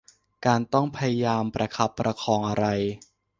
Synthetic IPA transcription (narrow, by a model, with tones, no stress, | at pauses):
kaː˧nt̪ɔ˥˩ŋpʰa˧ja˧jaː˧mpɾa˧kʰa˦˥pːɾa˧kʰɔː˧ŋʔa˧ɾa˧j